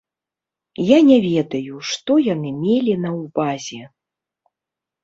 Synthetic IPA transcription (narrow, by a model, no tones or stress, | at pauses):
janʲɛvʲɛd̪ɐjuʂt̪ɔjanɨmʲelʲinɐwbazʲɛ